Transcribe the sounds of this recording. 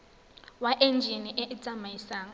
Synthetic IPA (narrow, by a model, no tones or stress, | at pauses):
waʔɛnd͡ʒʱiniʔɛʔit͡sʼamaisaːŋ